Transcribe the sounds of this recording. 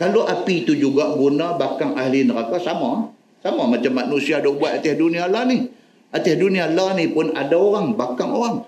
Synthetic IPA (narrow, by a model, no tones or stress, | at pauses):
kaloʔapit̪ud͡ʒuɡaʔɡunabakaŋaɦlinəɾakasama | samamat͡ʃamːanusiadobuat̪at̪ɛhdunialanih | ʔat̪ɛhdunialanipʊnadaoɾaŋbakaŋoɾaŋ